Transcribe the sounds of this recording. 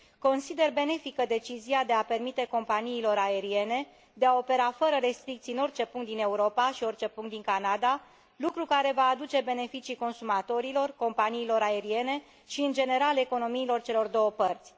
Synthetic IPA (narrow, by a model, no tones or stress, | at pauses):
ko̞nsid̪e̞rbe̞ne̞fikəd̪e̞t͡ʃiziad̪e̞ape̞rmit̪e̞ko̞mpaniːlo̞ɾae̞ɾie̞ne̞ | d̪e̞ao̞pe̞ɾafəɾəɾe̞st̪ɾik̚t̪siɨno̞rt͡ʃe̞puŋkt̪̚d̪ine̞uɾo̞paʃio̞rt͡ʃe̞puŋkt̪d̪iŋkanad̪a | lukɾukaɾe̞vaːd̪ut͡ʃe̞be̞ne̞fit͡ʃiko̞nsumat̪o̞ɾilo̞rko̞mpaniːlo̞ɾae̞ɾie̞ne̞ | ʃiɨnd͡ʒe̞ne̞ɾale̞ko̞no̞miːlo̞rt͡ʃe̞lo̞rd̪o̞wəpərt̪sʲ